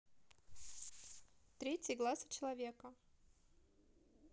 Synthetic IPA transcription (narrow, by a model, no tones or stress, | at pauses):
t̪ɾʲetʲɪjɡlˠasɨ̥t͡ɕɪlˠɐvʲe̞kə